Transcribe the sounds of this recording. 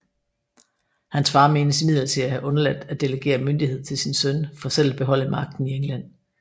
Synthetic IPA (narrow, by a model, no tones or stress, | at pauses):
hænsfɑ̈ːme̝ːnəsimið̞̰ˠlɐt͡sʰe̝læhæʔɔ̽nɐlæ̥d̥æd̥e̝ləɡ̥e̝̰ːɐmønd̥ihe̝ð̞̰ˠt͡sʰe̝lsinsønfɒ̽ːsel̰æb̥e̝ɦɒ̽l̰əmɑ̈ɡ̥̚d̥n̩ieŋlæn̰